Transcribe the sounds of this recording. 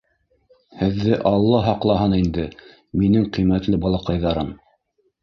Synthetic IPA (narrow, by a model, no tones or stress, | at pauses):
hɘ̆ðːɘʔɑlˠːɑɦɑqlˠɑɦɤnind̪ɘ | minɘŋqimæt̪lɘbɑlˠɑqɑjðɑɾɤm